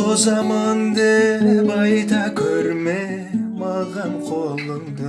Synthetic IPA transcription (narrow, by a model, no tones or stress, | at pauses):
ozɑmɑnd̪ebɑjt̪ɑkʲʰɵɾme | mɑlˠʁɑnqʰolˠəŋd̪ə